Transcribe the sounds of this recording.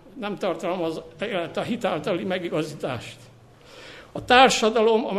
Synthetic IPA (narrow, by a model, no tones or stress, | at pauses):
nɛmt̪ɒrt̪ɒlmɒzeːlɛt̪ːɒɦit̪aːlt̪ɒlimɛɡiɡɒziːt̪a̰ːʃt̪ | ɒt̪aːrʃɒd̪ɒlo̞mɒm